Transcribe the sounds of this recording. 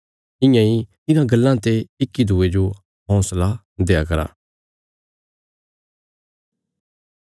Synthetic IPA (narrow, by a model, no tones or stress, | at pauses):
ɪ̃jãi | ɪnãɡɐlːãt̪eɪkːid̪ʱuːed͡ʒo | ɦɔ̃ːsla | d̪eːakɐɾa̰ː